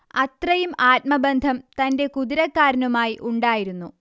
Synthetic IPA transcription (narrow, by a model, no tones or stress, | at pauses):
ɐt̪rɐjumaːt̚mɐbɐnd̪ʱɐmt̪ɐnde̞kuðiɾɐkːaːɾɐnumaːjiʔuɳɖaːjiɾunːu